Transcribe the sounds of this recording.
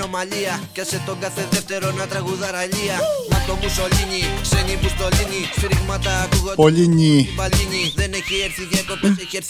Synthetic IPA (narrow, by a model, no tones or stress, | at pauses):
omɐʎiɐcɐset̪oŋɡɐθet̪eft̪eɾonɐt̪ɾɐɣuðɐɾɐʎiɐnɐt̪omusoliɲikseɲipust̪oliɲifiɾiɣmat̪ɐːkuɣopoʎiɲipɐʎiɲiðenecieɾθiʝekopeseçeɾ